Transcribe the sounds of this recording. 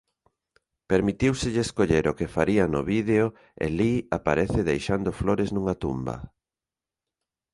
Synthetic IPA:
peɾmit̪iwsɪʎɪːskoʎeɾʊkefaɾianʊ̰βiðeo | ḛliapaɾɛθɪðejʃand̪ʊfloɾɪznũŋat̪ṵmbɐ̰

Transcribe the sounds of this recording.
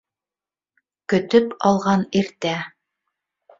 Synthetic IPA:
kɵ̆t̪ɵpɑlˠʁɑniɾt̪æ

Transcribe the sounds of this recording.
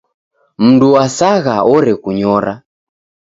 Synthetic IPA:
m̩nduwasaɣaɔɾɛkuɲɔɾa

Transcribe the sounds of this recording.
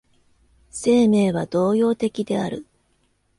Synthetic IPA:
se̞ːme̞ːβad̪̥o̞ːjo̞ːt̪e̞kʲid̪e̞aɾɯ̟̰

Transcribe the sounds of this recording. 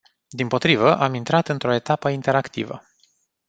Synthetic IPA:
d̪impo̞t̪ɾivəʔamint̪ɾat̪ɨnt̪ɾo̞e̞t̪apəint̪e̞ɾakt̪ḭvə̰

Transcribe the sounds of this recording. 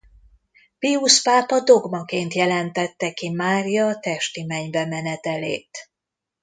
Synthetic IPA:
piuspaːpɒd̪o̞ɡmɒkeːnt̪jɛlɛnt̪ɛt̪ːɛkimaːɾijɒːt̪ɛʃt̪imɛɲbɛmɛnɛt̪ɛlḛːt̪

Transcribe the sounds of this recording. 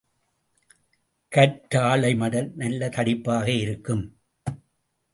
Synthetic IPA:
kɐʈːaːɭɐɪmɐɽɐlnɐlːɐt̪ɐɽɪpːaːɣɐɪɾɯkːɯm

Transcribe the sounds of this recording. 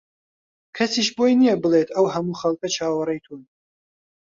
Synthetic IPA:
kʰɐsiːʃbojnijɛbɨleːt̪ʰɐwɦɐmuːxɐlˠkɐt͡ʃʰaːwɐɾɐjt̪ʰuːn

